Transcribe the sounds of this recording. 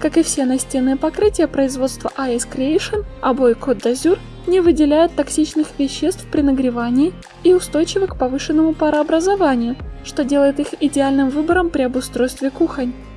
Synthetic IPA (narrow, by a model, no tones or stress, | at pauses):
kakɨfsʲenɐsʲtʲe̞nːɨjəpɐkɾɨtʲɪjəpɾəɪzvo̞t̪st̪və̰ʔaɛskɾʲɪejʂɨnɐ̰bo̞jko̞d̪ɐzʲur | nʲɪvɨdʲɪlʲæjʊt̪ːɐksʲit͡ɕnɨxvʲɪɕːe̞st̪fpɾʲɪnəɡɾʲɪvanʲɪɪ | iʊst̪o̞jt͡ɕɪvəkpɐvɨʂɨnːəmʊpɐɾəɐbɾəzɐvanʲɪjʊʂt̪o̞dʲe̞lˠəjɪt̪ixɪdʲɪalʲnɨmvɨbəɾəmpɾʲɪɐbʊst̪ɾo̞jst̪vʲɪkuxənʲ